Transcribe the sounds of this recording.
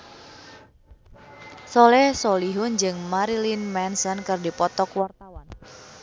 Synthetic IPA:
sɔlɛhsɔliɦʊnd͡ʒɨŋmaɾilinmɛnsɔnkɨrdipɔt̪ɔkwart̪awan

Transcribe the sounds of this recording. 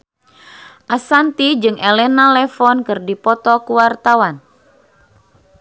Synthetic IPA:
ʔasant̪id͡ʒɨŋʔelɛnalɛfɔnkɨrdipɔt̪ɔkuwart̪awan

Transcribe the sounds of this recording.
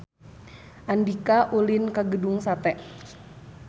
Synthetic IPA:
ʔandikaʔulinkaɡəduŋsat̪ɛʔ

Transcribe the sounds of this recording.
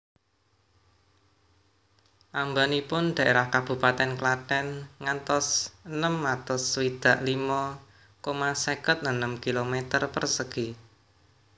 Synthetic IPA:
ʔambanipʊnɖ̪̥ä̤ʔeɾahkab̥ṳpat̪ɛnklat̪ɛnŋant̪ɔsənəmːat̪ɔswid̪̥ä̤ʔlimɔ | komasekət̪̚ənəmkilomet̪ərpərsəɡ̥i

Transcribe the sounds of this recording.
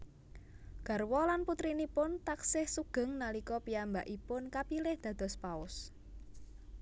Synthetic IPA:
ɡ̥a̤rwɔlanput̪ɾinipʊnt̪aksɪhsuɡ̥ə̤ŋnalikɔpiambaʔipʊnkapilɪhd̪̥ä̤d̪̥ɔ̤spaʊs

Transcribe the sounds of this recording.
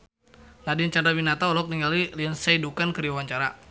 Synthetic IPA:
nadint͡ʃandabinat̪aɔlɔk̚niŋɡaliliansaidukankəɾiawaɲt͡ʃaɾa̰

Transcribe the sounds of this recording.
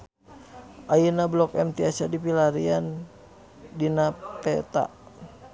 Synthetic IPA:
ʔajinablɔkɛmt̪iasadipilaɾian | dinapɛt̪a̰

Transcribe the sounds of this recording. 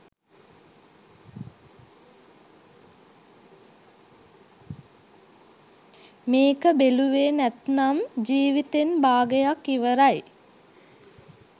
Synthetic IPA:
meːkəbeluʋeːnæt̪namd͡ʒiːʋit̪enbaːɡəjakːiʋəɾaj

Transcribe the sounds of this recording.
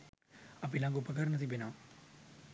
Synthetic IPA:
ɐpilaŋɡupɐkɐɾnɐt̪ibenaː

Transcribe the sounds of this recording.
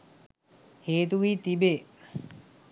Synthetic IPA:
heːt̪uʋiːt̪ibe

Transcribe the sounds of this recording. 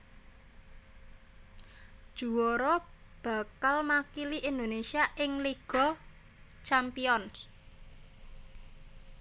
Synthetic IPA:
d̥ʒ̥ṳwoɾɔ | b̥ä̤kalmakiliʔind̪onesiaʔɪŋliɡ̥ɔ̤ | t͡ʃampiɔns

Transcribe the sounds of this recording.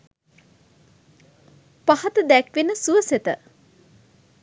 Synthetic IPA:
pahat̪əd̪ækʋenəsuʋəset̪ə̰

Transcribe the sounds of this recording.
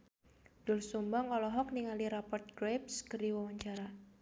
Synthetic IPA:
d̥ʊlsumbaŋɔlɔɦɔk̚niŋaliɾapɔrt̪̚ɡɾep̚skəriwɔwaɲt͡ʃaɾa

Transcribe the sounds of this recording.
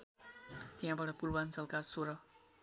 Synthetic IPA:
t̪ijɦãbaɽʌpurbant͡sʌlkasoɾʌ

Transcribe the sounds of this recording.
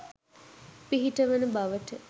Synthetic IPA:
piɦiʈəʋənəbaʋəʈə

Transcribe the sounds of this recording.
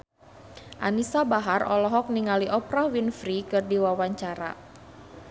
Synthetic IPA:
ʔa̰nisabaɦarʔɔ̰lɔɦɔk̚niŋaliʔɔpɾawinfɾikɨrdiwawaɲt͡ʃaɾa̰

